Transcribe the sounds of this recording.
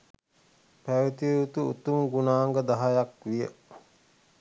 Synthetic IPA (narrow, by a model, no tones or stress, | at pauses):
pæʋet̪iut̪uut̪umɡunaːŋɡəd̪aɦajakʋijə